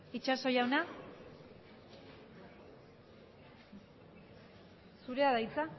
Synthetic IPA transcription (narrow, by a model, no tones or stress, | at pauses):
it͡ʃaso̞jawna | suɾeaðajt͡sa